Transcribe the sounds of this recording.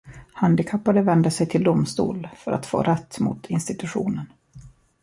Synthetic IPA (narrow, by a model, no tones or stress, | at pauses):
hand̪ɪkʰapːaɾəvɛnd̪əsɛjt̪ʰɪld̪ʊmst̪ṵːlfœɾa̰t̪fo̰ːɾɛt̪ːmʊ̰t̪ʰɪnst̪ɪt̪ɵɧuːnən